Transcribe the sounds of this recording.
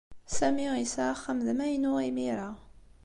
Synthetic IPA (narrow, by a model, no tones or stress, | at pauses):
sæmisaχːəmðmæjnuʁimiɾa